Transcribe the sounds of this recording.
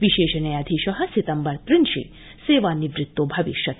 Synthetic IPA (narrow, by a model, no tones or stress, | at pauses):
ʋiʃeːʃɐnɐjaːd̪ʱiʃɐɦɐsit̪ɐmbɐɾt̪ɾinʃḭ | seːʋanːiʋɾɪt̪ːobʱɐʋiʃjɐt̪